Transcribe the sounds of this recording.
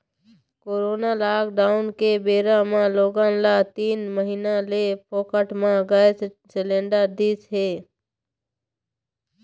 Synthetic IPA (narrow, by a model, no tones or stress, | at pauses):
koːɾoːnalaːkɖaːʊnkebeːɾamãloːɡãːnlaːt̪iːnməɦiːnalepoːkəʈmãɡəs | sɪlẽːɳɖəɾd̪iːsɦeː